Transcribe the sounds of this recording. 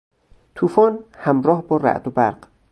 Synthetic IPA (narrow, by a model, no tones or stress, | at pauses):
t̪ʰuːfɒːnhæmɾɒːhbɒːɾæ̰ʔd̪obæɾɢ̥